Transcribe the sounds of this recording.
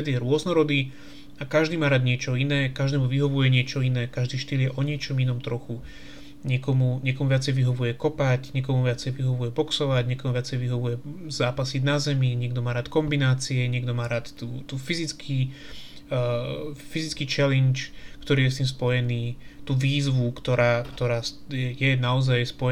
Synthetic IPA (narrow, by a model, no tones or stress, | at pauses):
ɛd̪jɛɾʊɔznɔɾɔd̪i | akaʒd̪iːmaːɾaːd̪ɲɪɛt͡ʃɔinɛːkaʒd̪ɛːmuʋiɦɔʋujɛɲɪɛt͡ʃɔinɛːkaʒd̪iːʃt̪iːljɛʔɔɲɪɛt͡ʃɔminɔmt̪ɾɔxu | ɲɪɛkɔmuɲɪɛkɔmuʋɪat͡sɛjʋiɦɔʋujɛkɔpaɟɲɪɛk̬ɔmuʋɪat͡sɛjʋiɦɔʋujɛbɔksɔʋaɟɲɛkɔmuvɪat͡sɛjʋiɦɔʋujɛzaːpasidnazɛmiɲɪɛɡd̪ɔmaːɾaːt̪kɔmbinaːt͡siɛɲɪɛɡd̪ɔmaːɾaːt̪t̪uːt̪uːfizit͡skʰi | fizit͡skiːt͡ʃɛlɛnt͡ʃkt̪ɔɾiːjɛs̬t̪iːmspɔjɛniːt̪uːʋiːzʋukt̪ɔɾaːkt̪ɔɾaːs | jɛjɛnaɔzajspɔjɛ